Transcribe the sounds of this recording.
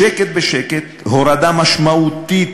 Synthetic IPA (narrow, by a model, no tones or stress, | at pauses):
eket̪̚beʃeket̪hoɾad̪amaʃmaʔut̪it̪